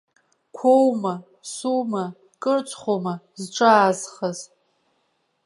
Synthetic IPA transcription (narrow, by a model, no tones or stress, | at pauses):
kʷʰowma | suma | kʼɨrt͡ʃʷʰʼχʷoma | zʈ͡ʂʼaːzχaz